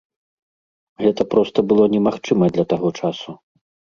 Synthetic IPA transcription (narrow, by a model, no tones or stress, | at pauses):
ɣɛt̪ɐpɾɔst̪ɐbɨlˠɔnʲɛmaxt͡ʂɨmɐd̪lʲɐt̪aɣɔt͡ʂasu